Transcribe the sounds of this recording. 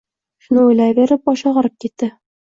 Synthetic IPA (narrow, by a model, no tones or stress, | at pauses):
ʃunɤujlæβiɾɘp̚ɒʃɑʁɤ̆ɾɤp̚kit̪ːɘ